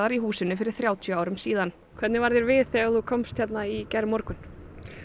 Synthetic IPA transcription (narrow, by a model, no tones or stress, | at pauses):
ðaɾiɦuːsɪnːʏfɪɾɪɾ̥θɾjaːwt̪ʰjœaːwɾʏmsiːðan | kʰvɛt̪nɪvaɾðjɛɾvɪðθɛɣaθukʰɔmst̪çjɛt̪naicɛɾmɔɾkʏn